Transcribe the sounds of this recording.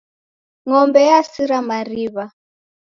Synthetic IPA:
ŋɔmbɛjasiɾamaɾiβa

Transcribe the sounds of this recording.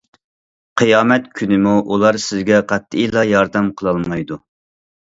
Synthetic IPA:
qʰɨjɑːmɛt̪kʲʰynɪmuʔulˠɑɾsɪzɡʲɛqʰɑt̪ːɨijlˠɑjɑɾd̪ɛmqʰəlˠɑlˠmmɑjd̪u

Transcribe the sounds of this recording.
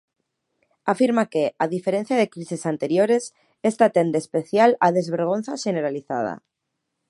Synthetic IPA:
afiɾmakeaðifeɾen̟θjaðekɾisesant̪eɾjoɾes | est̪at̪end̪espeθjalaðezβeɾɣ̞on̟θaʃeneɾaliθa̰ð̞a̰

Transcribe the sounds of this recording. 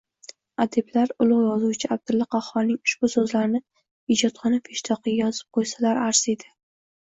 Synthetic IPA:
ad̪e̞blaɾʊlˠʊʁjɒzuwt͡ʃʰɪab̚d̪ɪlːaqʰɑχɒɾnɪŋʊʃb̥ʊsɵzlaɾnɪ | ɪd͡ʒɒt̪qʰɑnapʰeʃt̪ʰɒqɨɡʲajɒzɪp̚qʰojsalaɾaɾsed̪ɪ

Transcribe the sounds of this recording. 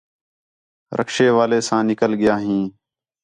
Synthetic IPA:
ɾʔə̰kʃeːʋaːleːsãːnɪkəlɠɪjaːɦĩː

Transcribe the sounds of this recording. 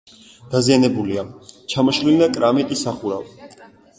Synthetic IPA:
d̪̥azianɛbuliat͡ʃʰamɔʃlilnakʼɾamit̪ʼisaχuɾav

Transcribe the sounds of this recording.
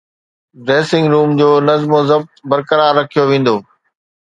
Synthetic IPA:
ɖɾeːsɪ̃ŋɡɾuːmd͡ʑoːnɐzmozɐb̚t̪bɐɾkəɾaːɾːɐkʰijoʋẽːn̆d̪oː

